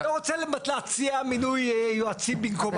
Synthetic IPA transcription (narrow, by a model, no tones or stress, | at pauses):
aʁot͡selematlaat͡siaminujjoat͡simbinkom